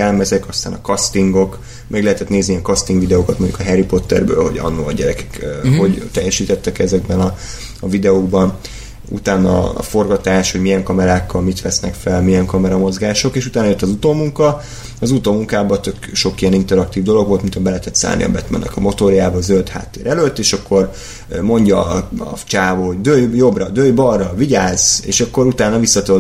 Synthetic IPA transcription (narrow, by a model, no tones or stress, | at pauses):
ɛlmɛzɛkɒst̪aːnɒkɒst̪iŋɡo̞k | mʔɛɡlɛɦɛt̪ɛt̪neːzniɛŋkɒst̪iŋɡʋid̪ɛoːkɒt̪moɲɟukɒɦɛɾipo̞t̪ːɛ̰rbø̰ːlho̞̰ɟɒ̰nːuɒɟɛɾɛkɛ̥kːho̞ɟt̪ɛjːɛʃiːt̪ɛt̪ːɛkɛzɛɡ̚bɛnɒ | ɒvid̪ɛoɡbɒn | ṵt̪aːnɒ̰fo̞rɡɒt̪aːʃho̞ɟmijɛŋkɒmɛɾaːkːɒlmit̪ʋɛsnɛkfɛlmijɛŋkɒmɛɾɒmo̞zɡaːʃo̞keːʃut̪aːnɒjøt̪ːɒzut̪oːmuŋkɒ | ɒzut̪oːmuŋkaːbɒt̪ø̞kʃo̞kijɛnint̪ɛɾɒk̚t̪iːvd̪o̞lo̞ɡʋo̞lt̪mint̪ʰɒbɛlɛɛt̪ɛt̪sa̰ːlnḭɒ̰bɛt̪mɛ̰nːʔɛ̰kɒmo̞t̪oɾjaːbɒːzølt̪ha̰ːt̪ːeːɾɛløt̪ːeːʃɒkʰːo̞r | mo̞ɲɟɒ̰t͡ʃaːvoɦo̞ɟd̪øːjjo̞brɒd̪øːjbɒrːɒviɟaːzḛːʃɒkːo̞ɾut̪aːnɒvisːɒt̪ø